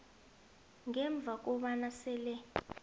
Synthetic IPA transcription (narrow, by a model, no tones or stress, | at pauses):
ŋɛɱb̪vʱak̬ɔɓanasɛːlɛ